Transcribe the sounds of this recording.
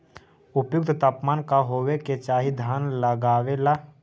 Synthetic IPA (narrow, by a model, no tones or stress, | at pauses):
ʊpjʊk̚t̪t̪aːpmaːnkaɦoːweket͡ʃaːɦid̪ʱjaːnləɡaːwela